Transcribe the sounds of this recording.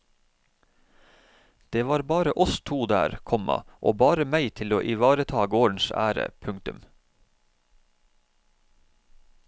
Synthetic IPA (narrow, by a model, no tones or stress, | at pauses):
d̪̥eːʋɑːɾbɑːɾəʔɔst̪ʰuːd̪æ̰ːɾkʰɔmɑ̰ʔoːbɑːɾəmæɪt̪ʰɪloːʔɪʋɑːɾət̪ʰɑːɡoːɳ̩sæ̰ːɾə̰pʰʉŋt̪ʉm